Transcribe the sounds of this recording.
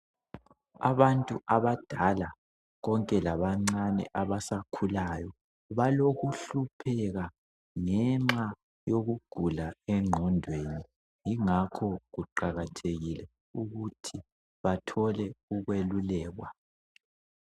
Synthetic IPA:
a̰βantʼuʔaβad̥ʱala | ɣɔŋkʼɛlaβaŋ͡ǀanɛ̰ʔaβasakʰulajɔ | βaloɣuɬupʰɛɣa | ŋɛŋ͡ǁa | joɣuɡ̥ʱulaɛŋ͡ǁʱɔndʱweni | jiŋakʰɔɣuǃaɣatʰeɣilɛ | uɣutʰi | βatʰɔlɛuɣwelulɛːɣwa

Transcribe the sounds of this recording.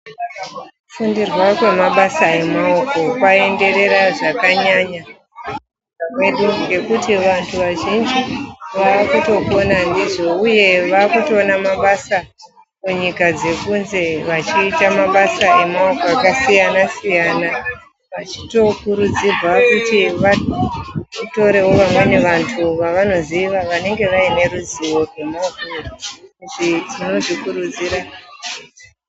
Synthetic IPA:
ufundirwakwe̞maɓasae̞maoko̞kwae̞nde̞ɾe̞ɾaʐakaɲaɲa | kakwe̞ɗuŋɡe̞kutiʋantʰuʋaʒind͡ʒiʋaːkuto̞konandiʐo̞uje̞ʋaːkuto̞ːnamaɓasa | muɲikad͡ze̞kunze̞ʋat͡ʃiːtamaɓasaemaokakasijanasijaːna | ʋat͡ʃi̥to̞kuɾud͡zibʱakutiʋa | to̞ɾe̞ɦwo̞ʋamweneʋantʰuʋaʋano̞ziʋaʋane̞ŋɡe̞ʋaine̞ɾuziwo̞rwemaɡurukutitino̞ʐikuɾud͡ziɾa

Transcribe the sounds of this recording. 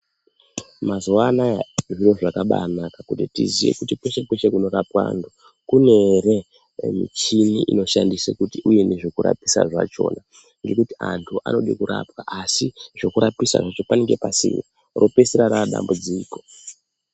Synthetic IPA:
mazuwanaʐiro̞ʐakaɓanakakutitizijḛkutikweʃekweʃekuno̞ɾapwa̰ːntʰu | kune̞re̞ | mḭt͡ʃiniʔino̞ʃandisekutiʔuje̞neʐokuɾa̰pisa̰ʐa̰t͡ʃo̞ːna | ŋɡe̞kutiantʰuʔa̰no̞ɗekuɾapwaʔasiʐo̞kuɾapisa̰ʐat͡ʃo̞paneŋɡe̞pasḭːmo | rʔo̞peseɾaɾaɗa̰mbud͡ziːko̞

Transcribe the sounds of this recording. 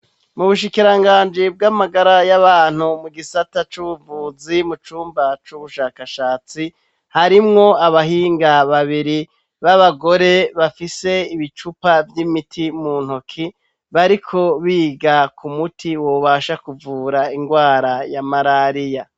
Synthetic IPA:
muβuʃikiɾaŋɡaːnd͡ʒib̚ɡamaɡaɾajaβaːn̥humuɡisatat͡ʃuβuvuːzimut͡ʃuːmbat͡ʃuβuʃaːkaʃaːt͡si | haɾimŋo̞aβaɦiːŋɡaβaβiɾi | βaβaɡo̞ɾe̞βafise̞iβit͡ʃupavjimitʰimuːn̥hokʰi | βaɾikʰo̞βiːɡakʰumutʰiwo̞βaʃakuvuːɾaiŋɡwaːɾajamaɾaːɾija

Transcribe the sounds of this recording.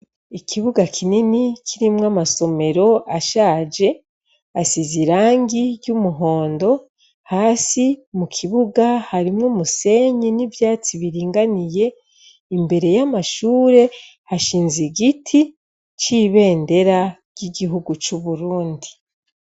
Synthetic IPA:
ikʰiβuɡakʰininikʰiɾimŋamaso̞me̞ɾo̞ʔaʃaːd͡ʒe̞ | asiziɾaːŋɡiɟumuɦo̞ːndo̞ | haːsimukʰiβuɡahaɾimŋumuse̞ɲinivjaːt͡siβiɾiːŋɡanije̞ | imbe̞ɾe̞jamaʃuːɾe̞ | haʃiːnziɡitʰi | t͡ʃiβe̞ːnde̞ɾaɾɟiɡiɦuɡut͡ʃuβuɾuːndi

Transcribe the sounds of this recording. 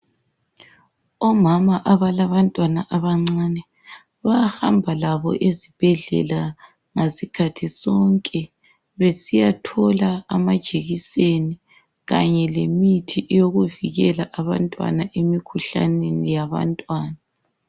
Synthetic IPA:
ɔmamaʔaβalaβantʼwanaʔaβaŋ͡ǀaːnɛ | βahambʱalaβɔ̰ʔezib̥ʱɛɮɛ̰la | ŋesikʰatʰisɔŋkʼɛ | βesijatʰɔlaːmad̥ʒ̥ʱeɣiseni | ɣa̰ɲɛlemitʰiʔɛjoɣuviɣɛlaʔaβa̰ntʼwa̰naʔemikʰuɬa̰nenijaβa̰ntʼwaːna

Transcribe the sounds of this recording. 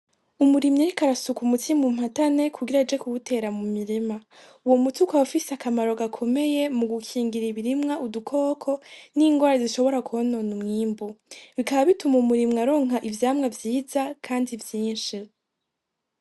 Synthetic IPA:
umuɾimɲiɾikaɾasukumutʰimum̥hatane̞kʰuɡiɾad͡ʒe̞kuβutʰe̞ɾamumiɾima | uwomutukaafisiakamaɾo̞ɡakʰo̞me̞je̞muɡukʰiːŋɡiɾiβiɾimŋaʔudukʰo̞ːkʰo̞niːŋɡwaːɾaziʃo̞βo̞ɾakuhononumŋiːmbuβikaβaβitumumuɾimŋaɾoːŋaʔivjaːmŋavjiːzakʰaːndivjiːnʃi

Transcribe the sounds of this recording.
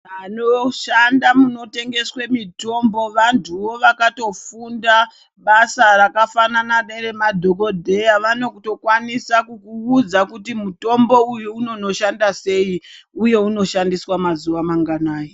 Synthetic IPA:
anoʃandamuno̞te̞ŋɡe̞swemito̞mbo̞ʋantʰuʋo̞ʋakato̞funda | ɓasarakafananaɗeɾe̞madʱoko̞dʱe̞jaʋano̞kuto̞kwanisakukuːd͡zakutimuto̞mbo̞ujuuno̞no̞ʃandase̞i | uje̞uno̞ʃandiswamazuʋamaŋɡanaːje

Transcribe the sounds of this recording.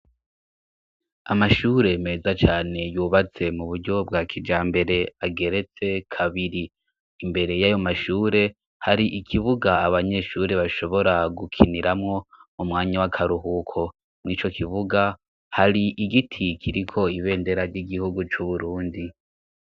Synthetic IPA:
amaʃuːɾe̞me̞ːzat͡ʃaːne̞juːβat͡se̞muβuɾɟo̞b̚ɡaːkʰid͡ʒaːmbe̞ɾe̞aɡe̞ɾe̞t͡se̞kʰaβiɾiː | mbe̞ɾe̞jajo̞maʃuːɾe̞ | haɾiʔikʰiβuɡaaβaɲe̞ʃuːɾe̞βaʃo̞βo̞ɾaɡukʰiniɾamŋo̞mumŋaːɲawakʰaɾuɦukʰo̞ | mŋit͡ʃo̞kʰiβuɡa | haɾiʔiɡitʰikʰiɾikʰo̞iβe̞ːnde̞ɾaɾɟiɡihuɡut͡ʃuβuɾuːndi

